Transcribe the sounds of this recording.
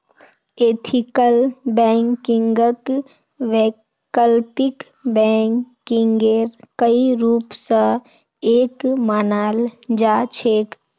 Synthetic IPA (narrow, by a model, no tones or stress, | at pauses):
eːt̪ʰikəlbɛ̃ŋkĩŋɡək | ʋe | kəlpik | bɛŋkːiŋɡeɾkəiɾuːpsə̃ | eːkmaːnaːld͡ʒat͡ʃʰeːk